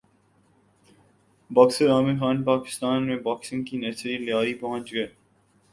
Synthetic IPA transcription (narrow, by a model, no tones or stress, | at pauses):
bɔːkseɾaːmexaːnpaːkɪ̥st̪aːnmẽbaːksɪ̃ŋɡkinɛt͡ʃɾiljaːɾipɐɦə̃nt͡ʃɡɐeː